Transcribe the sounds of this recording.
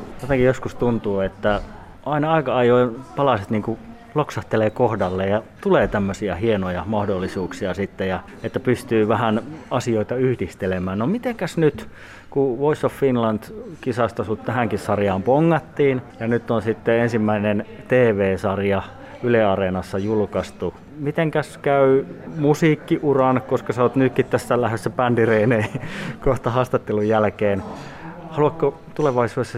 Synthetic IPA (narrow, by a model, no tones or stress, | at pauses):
jot̪eŋkijoskust̪unt̪uːet̪ːæ | ɑinɑɑikɑɑjoipɑlɑset̪niːŋku | loksɑht̪eleːkohdɑlːejjɑt̪uleːt̪æmːøsiɑhienojɑmɑhdolːisuːksiɑsit̪ːejɑ | et̪ːæpyst̪yːʋæhænɑsioit̪ɑyhdist̪elemæːnnomit̪eŋkæsnyt̪ | kuʋoisofːinlɑnt̪kisɑst̪ɑsut̪t̪æhæŋkissɑrjɑːmpoŋːɑt̪ːiːnjɑnyt̪ːonsit̪ːeensimːæinen | t̪eːʋeːsɑrjɑ | yleɑrenɑsːɑjulkɑst̪u | mit̪eŋkæskæymusiːkːiʔurɑnkoskɑsɑot̪nykːit̪t̪æsːælæhesːæpændireineikoht̪ɑhɑːst̪ɑt̪ːelujjælkeːnhɑluɑkkːo | t̪uleʋɑisuːesːɑ